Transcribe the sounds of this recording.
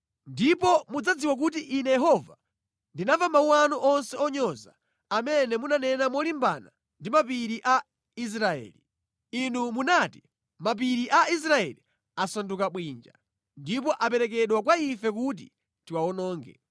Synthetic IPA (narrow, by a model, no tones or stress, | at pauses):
ndipɔmud͡zad͡ziwak̬utiʔinɛjɛɦɔva | ndinavamauwanuʔɔnsɛɔɲɔza̰ː | mɛnɛmunanɛnamɔlimba̰na | ndimapiɾiʔa | is̬ɾaɛ̰ːli | inumunati | map̬iɾiʔais̬ɾaɛ̰li | asandukaɓwiːnd͡ʒa | ndip̬ɔʔap̬ɛɾɛk̬ɛɗwak̬waifɛkut̬ḭ | tiwaɔnɔːŋɡɛ̰